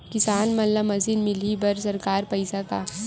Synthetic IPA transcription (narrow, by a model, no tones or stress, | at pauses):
kɪsaːnmɐnlamɐsinmɪlibɐɾsɐɾkaːɾpɐjsaka